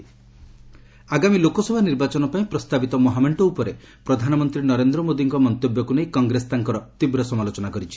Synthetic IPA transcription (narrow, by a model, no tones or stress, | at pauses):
aɡamilokɔsɔbʱaniɾbat͡ʃɔnɔpaĩpɾɔst̪abit̪ɔmɔɦameɳʈɔupɔɾe | pɾɔd̪ʱanɔmɔnt̪ɾinɔɾend̪ɾɔmod̪iŋkɔmɔnt̪objɔkunejkɔŋɡɾest̪aŋkɔɾɔt̪ibɾɔsɔmalot͡ʃɔnakɔɾit͡ʃʰi̥